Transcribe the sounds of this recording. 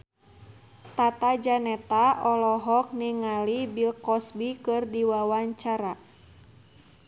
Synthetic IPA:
t̪at̪ad͡ʒanɛt̪aʔɔlɔɦɔk̚niŋalibilkɔsbikɨrdiwawaɲt͡ʃaɾa

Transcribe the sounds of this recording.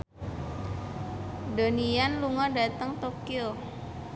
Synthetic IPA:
do̤nijanluŋɔdat̪əŋt̪okio

